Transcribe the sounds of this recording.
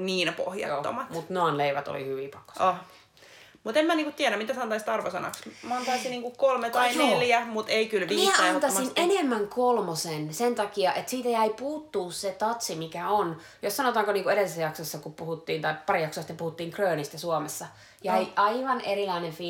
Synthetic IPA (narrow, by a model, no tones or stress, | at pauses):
niːnpo̰hjɑ̰joːo̰mɑtmut̪noɑnleiʋæt̪o̰lḭhyʋipɑkːo̥sɑ | mut̪emæniːkut̪t̪iæɾæmmit̪æsɑnt̪ɑist̪ɑrʋosɑ̰nɑ̰ksmɑnt̪ɑisiniːŋkukolmet̪ɑineljæmut̪eikylʋmiiːænt̪ɑsinenemːæŋkolmosensent̪ɑkiɑʔet̪siːt̪æjæipuːt̪ːuːsset̪ɑt̪simikæon | jossɑnot̪ɑːŋkoniːŋkueɾeisːæjɑksɑsːɑkuppuhut̪ːiːnt̪ɑipɑrijɑksoɑsi̥t̪ːepuhut̪ːiːŋkrøːnist̪æsuomesːɑ | jæiʔɑiʋɑnerilɑinenfiː